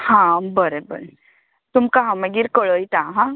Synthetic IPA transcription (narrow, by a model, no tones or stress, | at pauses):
hãbəɾebə̰ɾe | t̪umkaɦãməɡiɾkəɭəjt̪aɦã